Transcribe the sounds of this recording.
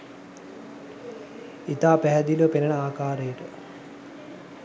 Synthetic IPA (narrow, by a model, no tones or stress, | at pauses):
it̪aːpæɦɛd̪ilʋəpenənəaːkaːɾejəʈə